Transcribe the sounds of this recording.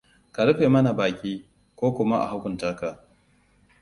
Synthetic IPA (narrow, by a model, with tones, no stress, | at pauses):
ka˨lʊ˦ɸeː˨mɐ˦na˨baː˨kʲʼiː˦ | kʷoː˦kʷʊ˦ma˦ʔa̰˨ha˦kʷʊ˨ntaː˦ka˨